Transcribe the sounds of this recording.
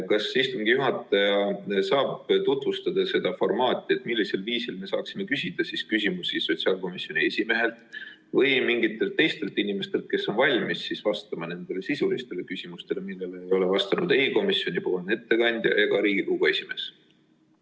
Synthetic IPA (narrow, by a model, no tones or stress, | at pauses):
kɑsist̪umŋɡijuɦɑt̪ːˑɑjɑsɑːbt̪ut̪vust̪ɑd̪̥ɑse̞d̪̥ɑfo̞rmɑːt̪ːˑie̞t̪ːˑmilːise̞lviːsilme̞sɑ̰ːksime̞kysʲid̪̥ɑsiskysʲimusiso̞t̪ʲsiɑːlko̞misjonʲie̞sʲime̞ɦe̞lt̪ˑ | vɤjmiŋɡit̪ːˑe̞lt̪ːˑe̞jst̪e̞lt̪ˑːinimest̪e̞lt̪̚ke̞sːo̞nvɑlʲmisːisvɑst̪ɑmɑne̞nd̪̥e̞lesisulist̪e̞le̞kysʲimust̪e̞lemilːe̞lejo̞le̞vɑst̪ɑnud̪̥e̞iko̞misjo̞nʲipo̞ːlne̞t̪ːe̞kɑnʲd̪̥ʲjɑ̰jɑɡɑɾiːɡ̥ikuɡ̥oe̞sʲime̞ːs